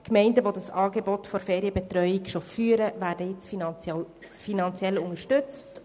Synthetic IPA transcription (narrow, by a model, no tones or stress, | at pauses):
kmɛɪndəʋodɑsɑːɡebɔtfɔɾfeːɾiəbɛtɾœʏikʃofyːəɾəʋæːɾdəjɪt͡sf | finɑnt͡sjɛlʊŋəʃtʏt͡st